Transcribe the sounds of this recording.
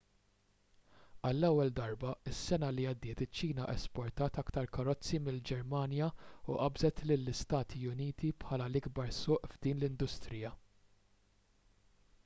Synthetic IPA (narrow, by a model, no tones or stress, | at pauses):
ɐlːɛwːɛld̪ɐɾbɐɪsːɛnɐliɐd̪ːɪːt̪ɪt͡ʃːiːnɐʔɛspɔɾt̪ɐːt̪ɐkt̪ɐɾkɐɾɔt͡sːimɪld͡ʒɛɾmɐːnjɐuʔɐbzɛt̪lɪlːɪst̪ɐːt̪ʰiʊniːt̪ipħɐːlɐlɪɡbɐɾsʊːʔvd̪iːnlɪnd̪ʊst̪ɾɪjɐ